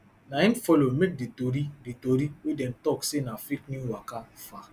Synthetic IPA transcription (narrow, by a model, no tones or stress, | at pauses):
naĩnfɔlomek̚ditoɾiditoɾiwedɛntɔksenafiknuwakafa